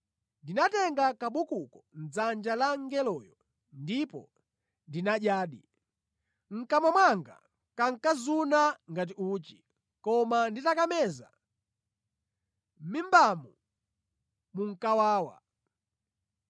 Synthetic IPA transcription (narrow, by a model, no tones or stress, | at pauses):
ndinatɛŋɡakaɓukukɔn̩d͡zand͡ʒalaŋɡɛlɔːjɔ | ndipɔ̰ | ndinaʄjaːɗḭ | ŋ̩kamwamwaŋɡa̰ | kaŋ̩kazunaŋɡat̬iuːt͡ʃi̥ | kɔmanditakamɛza̰ | mimbamu | muŋ̩kawaːwa̰